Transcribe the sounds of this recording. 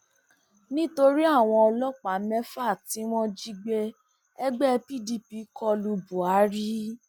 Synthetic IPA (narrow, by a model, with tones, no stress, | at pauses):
nĩ˦to˧ɾi˦a˦˨w̃ɔ̃˧ɔ˧lɔ˦k͡pa˨˦mɛ̃˦fa˦˨ti˨˦w̃ɔ̃˦d͡ʒi˦ɡ͡be˦ | ɛ˦ɡ͡bɛ˦˧pi˦˨di˧pi˧˦kʰɔ˧lu˧bu˨a˨˦ɾi˦